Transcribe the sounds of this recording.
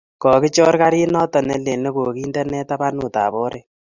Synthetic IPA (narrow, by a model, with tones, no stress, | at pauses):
kɔ˨kɪ˦t͡ʃɔ˦ɾka˦ɾi˦nɔ˦tɔ˨nɛ˨le˨ne˦ko˨ki˦ndɛ˦nɛ˦ta˦ba˦nu˨ta̰ː˨bɔ˦ɾʔe˦